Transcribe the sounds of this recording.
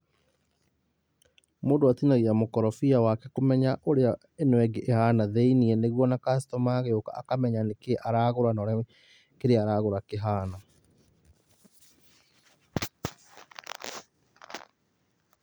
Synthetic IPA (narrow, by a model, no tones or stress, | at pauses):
moːdoatinaɣiamokɔɾɔfiawakɛkomɛɲaʔoɾea | enwɛɡeʔehaːnaðeiniɛneɣwɔnakas̬i̥tɔmaɣeoka̰ʔːkamɛɲanekeʔaɾaɣoɾanɔɾɛ | keɾeaɾaɣoɾakeɦaːna